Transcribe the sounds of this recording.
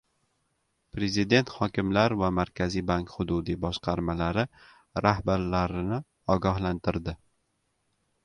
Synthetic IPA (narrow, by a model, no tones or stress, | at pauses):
pɾe̞zid̪e̞nt̪hɒkʲɪmlaɾvamaɾkʲʰazijbaŋkχʊd̪ʊd̪ibɒʃqʰɑɾmalaɾɪ | ɾahbaɾlaɾɪnɪ | ɒɡʲɒhlant̪ɪɾd̪ɪ